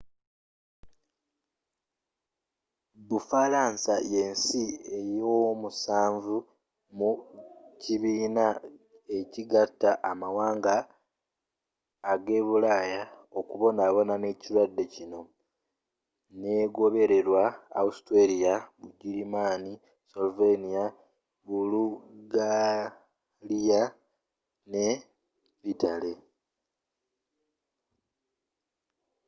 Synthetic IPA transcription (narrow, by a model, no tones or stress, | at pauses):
βufalaːnsaje̞ːnsie̞jomusaːɱvu | muciβiːna | e̞ciɡatːaʔːmawaːŋɡa | ɡe̞ːβulaːjao̞kuβo̞naːβo̞nane̞ːciɾwadːe̞cino̞ | ne̞ːɡo̞βe̞ɾe̞ɾwaːustweɾijaβuɟiɾimaːni | solvenija | βuluɡa | lija | ne̞ | βitale̞